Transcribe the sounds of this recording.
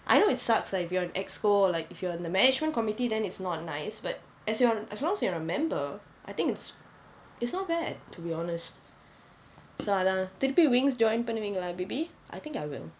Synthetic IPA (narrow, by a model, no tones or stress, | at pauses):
ʔa̰ɪnoɪtsakslaɪkɪfjɔɪ̃nɛkskolaɪkɪfjɔɪ̃ndəmɛnɪd͡ʒmə̃nkɔmitidɛ̃nɪtsnɔt̚naɪsbat̚ | ʔɛsjɔʔɛslɔ̃ŋɛsjuəɹəmɛ̃mbə | ʔa̰jt̪ɪ̃ŋkɪts | ɪtsnɔt̚b̥ɛd̚tʰubiɔnəst̚ | soalat̪itpiwɪ̃ŋsd͡ʒɔ̃ɪ̃npɛnəwĩŋlabibi | ʔa̰jt̪ɪ̃ŋkaɪwɪ̰l